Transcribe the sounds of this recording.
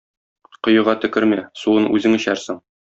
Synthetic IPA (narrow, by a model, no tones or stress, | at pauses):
qŏjɤ̆ʁɑt̪ɵ̆kɘɾmæsuɤnʉzɘŋɘ̆ɕæɾsɘɴ